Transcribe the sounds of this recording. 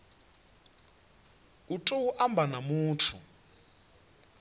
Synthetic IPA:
utʼowuʔambʱanamuːtʰṵ

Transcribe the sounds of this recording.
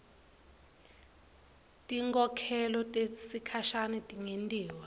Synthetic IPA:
tʼiŋkʼɔkʰɛlɔtʼesikʰaʃanɛtʼiŋendʼiːwa

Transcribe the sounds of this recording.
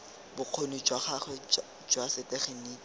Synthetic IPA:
bʊq͡χʰonid͡ʒwaχaχɛ | d͡ʒwasɪteχeniː

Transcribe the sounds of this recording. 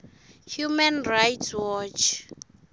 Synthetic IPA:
hjumɛnrajtswɔt͡ʃʰ

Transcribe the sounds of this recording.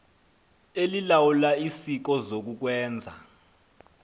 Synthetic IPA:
elilawulaisik̬ɔzok̬uk̬wɛːnd͡zʱa̰

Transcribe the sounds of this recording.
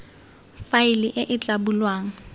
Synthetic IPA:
faɪliʔɪʔɪt͡ɬʼabulwaːŋ̩

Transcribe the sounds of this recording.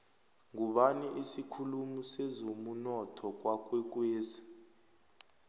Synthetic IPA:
ŋuɓaniʔisikʰulumusɛzomunɔtʰɔk̬wak̬wɛk̬weːzi

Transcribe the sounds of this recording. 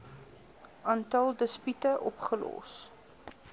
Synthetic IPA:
ʔɑːntɐlˠdəspytəʔɔpχəlɔ̰s

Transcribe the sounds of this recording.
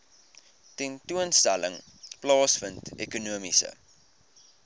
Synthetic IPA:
tɛntuənstælə̰ŋ | plɑːsfəntekunuəmisə̰

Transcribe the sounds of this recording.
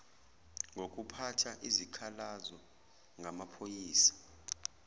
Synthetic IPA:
ŋok̬ʼupʰatʰaʔizikʰalazɔ | ŋɡʱamapʰojiːsḁ

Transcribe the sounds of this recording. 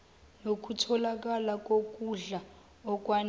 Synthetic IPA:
nok̬ʼutʰɔlak̬ʼalakʼokʼuɮa | ɔkʼwan

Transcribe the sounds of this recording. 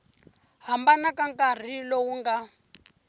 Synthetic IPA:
ɦambanakaŋkʼar̤ilɔwuŋɡa

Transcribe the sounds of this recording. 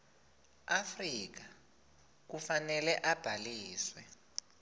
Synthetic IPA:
afrik̬a | k̬ufanɛlɛʔab̥ʱaliːswɛ

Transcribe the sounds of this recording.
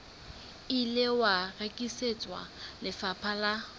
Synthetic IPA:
ilɪwarekʼiset͡sʼwa̰lɪfapʰala

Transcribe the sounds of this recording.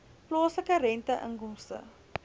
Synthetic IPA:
plɑːsləkəɾɛntəʔə̰ŋkɔmstə̰

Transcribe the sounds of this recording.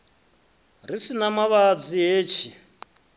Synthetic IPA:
risinamaβad͡zieːt͡ʃʰi

